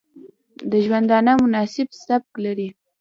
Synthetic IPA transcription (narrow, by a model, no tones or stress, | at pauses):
d̪əʒwand̪ɑnəmʊnɑsɪbsab̚klaɾi